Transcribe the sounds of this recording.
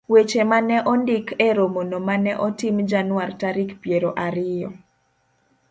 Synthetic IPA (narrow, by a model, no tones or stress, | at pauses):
wet͡ʃemanɛʔɔndɪkɛɾomonomanɛʔɔtimd͡ʒanʊwartaɾikpjeɾoʔaɾɪjɔ